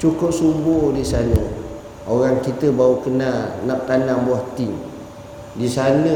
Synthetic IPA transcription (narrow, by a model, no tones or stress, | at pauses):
t͡ʃukʊp̚sumbʊhdisanə | oɾaŋkit̪əbaukənalnaʔ̚t̪anambuaht̪ɪŋ | disanə